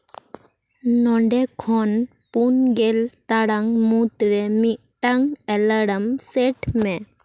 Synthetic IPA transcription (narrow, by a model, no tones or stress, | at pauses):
nɔɳɖɛkʰɔn | punɡelt̪aɽaŋmut̪ɾɛmiʔ | ʈaŋɛləɽəmsɛʈmɛ